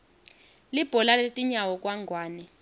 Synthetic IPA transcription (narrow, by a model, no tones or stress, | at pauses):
lib̥ʱɔlaletʼiɲawɔk̬ʼwaŋɡʱwaːnɛ